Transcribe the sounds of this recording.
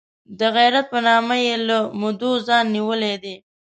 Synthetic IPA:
d̪əɣajɾat̪̚pənɑmajelamʊd̪ozɑnːiwəled̪e

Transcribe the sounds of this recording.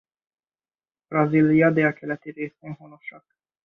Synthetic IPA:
b̥rɒzilijɒd̪eːlkʰɛlɛt̪ireːsbɛnɦonoʃɒk

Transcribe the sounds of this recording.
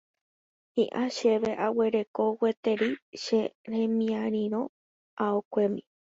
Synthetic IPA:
hiʔaʃe̞ʋe̞ʔawe̞ɾe̞ko̞we̞t̪eɾiʃeɾẽmĩãɾ̃ĩɾõ | aokʷemḭ̃

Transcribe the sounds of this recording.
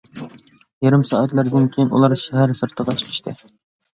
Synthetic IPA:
jeɾɪmsɑʔæt̪læɾd̪ɪnkʲʰejinṵlˠɑɾʃæɦæɾsɨɾt̪ʰəʁɑt͡ʃʰi̥qʰɪ̥ʃt̪ʰɪ

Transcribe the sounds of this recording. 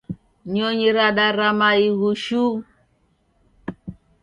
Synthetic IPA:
ɲɔɲiɾaɗaɾamaiɣuʃu

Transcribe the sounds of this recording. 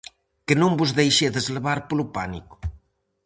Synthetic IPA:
kenõmbuzðejʃeðezleβaɾpolupanḭku̥

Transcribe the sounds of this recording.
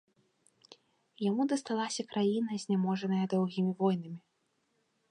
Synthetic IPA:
jamud̪ɐst̪alˠasʲɐkɾajin̪ɐzʲnʲamɔʐɐnɐjɐd̪ɔwɣʲimʲivɔjnɨmʲi

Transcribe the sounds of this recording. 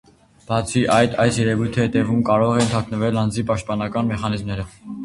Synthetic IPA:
b̥ɑt͡sʰiʔɑjd̪ʰɑjsjɛɾɛvujt̪ʰəhɛt̪ɛvumkɑɾɔʁɛnt̪ʰɑknəvɛlɑnd͡zipɑʃt̪̚pɑnɑkɑnmɛχɑnizmnɛɾə

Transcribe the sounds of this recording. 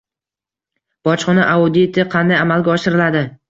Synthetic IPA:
b̥ɒt͡ʃχɒnaʔaʊd̪it̪ʰɪqʰɑnd̪ajamalɡʲaɒʃɪɾɪlad̪ɪ

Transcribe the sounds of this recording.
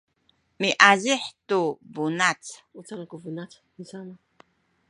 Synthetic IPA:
miʔaziħtubunat͡sut͡sanakuvunat͡s | nizama

